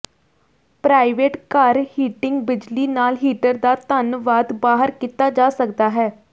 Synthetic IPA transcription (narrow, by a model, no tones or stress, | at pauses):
pɾaːɪʋeːʈkaɾhiːʈɪŋɡbɪd͡ʒliːnaːlɦiːʈəɾd̪aːt̪ənʋaːd̪baːɦəɾkit̪aːd͡ʒaːsəkd̪aːɦɛː